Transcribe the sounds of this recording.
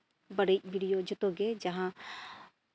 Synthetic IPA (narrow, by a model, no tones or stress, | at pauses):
bɐɽebiːɽijod͡ʒʊt̪oɡed͡ʒɐɦã